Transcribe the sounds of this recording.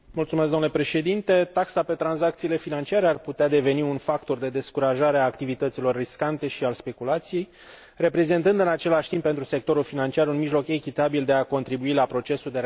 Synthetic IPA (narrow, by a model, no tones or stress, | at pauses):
mult̪sumes̬ɡ̪onlepɾe̞ʃe̞d̪int̪e̞t̪aksape̞t̪ɾanzak̚t̪siːle̞finant͡ʃiaɾearput̪ead̪e̞ve̞niunfakt̪o̞rd̪e̞d̪e̞skuɾaʒaɾeaːkt̪ivit̪ət̪silo̞rːiskant̪e̞ʃialspe̞kulat̪sije̞j | re̞pɾe̞ze̞nt̪ɨnd̪ɨnat͡ʃe̞laʃt̪imbpent̪ɾuse̞k̚t̪o̞ɾulfinant͡ʃiaɾunmiʒlo̞ke̞kʲit̪abild̪e̞ako̞nt̪ɾibuilapɾo̞t͡ʃe̞suld̪e